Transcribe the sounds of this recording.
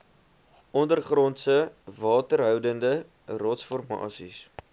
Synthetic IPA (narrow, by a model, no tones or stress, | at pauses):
ɔndərχrɔntsəvɑːtərɦœwdəndə | rɔtsfɔrmɑ̰ːsis